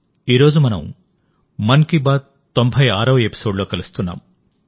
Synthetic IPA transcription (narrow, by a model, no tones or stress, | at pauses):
iːɾo̞ːd͡ʒumɐnɐmː | ɐnkibaːd̪ | t̪ːombʱɐjaːɾɐʋɐepi̥so̞ːɖlo̞ːkɐlust̪unːa̰ːm